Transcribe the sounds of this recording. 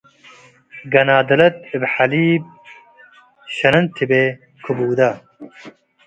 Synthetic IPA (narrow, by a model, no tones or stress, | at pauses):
ɡɐnaːd̪ɐlɐt̪̚ɪbħaliːb̚ | ɕɐnɐnt̪ʰibeː | kʰubuːd̪ɐ